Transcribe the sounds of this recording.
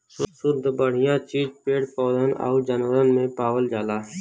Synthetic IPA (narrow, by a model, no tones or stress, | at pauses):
sʊɾd̪ʱbəɽ̤ɪjãt͡ʃiːd͡ʒpeːɽpɔːd̪ənə̰ud͡ʒənʋəɾənmẽpaːwəld͡ʒaːlaːɦ